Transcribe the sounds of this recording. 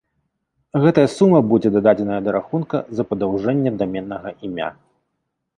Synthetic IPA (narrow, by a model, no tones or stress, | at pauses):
ɣɛt̪ɐjɐsumɐbud͡zʲɛd̪ɐd̪ad͡zʲɛnɐjɐd̪ɐɾaxunkɐ̰zɐpɐd̪awʐɛnʲːɛd̪amʲɛnːɐɣɐʔimʲa̰